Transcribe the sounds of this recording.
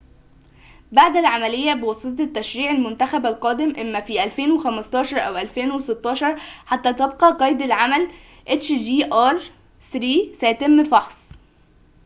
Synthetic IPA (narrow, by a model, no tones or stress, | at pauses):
baʕd̪ælʕamælejːæbewɑsˤelt̪et̪ːæʃɾiːʕælmʊnt̪æxæbælqɑːd̪emʔæmːæfiʔælfeːnwexæmæst̪ˤɑːʃɑɾˤʔæwʔælfeːnweset̪ːɑːʃɑɾˤħat̪ːæːt̪ebqɑqɑːjd̪ælʕamæl | ʔet͡ʃd͡ʒiːʔɑɾˤ | sɾiːsæjæt̪emːfɑħsˤ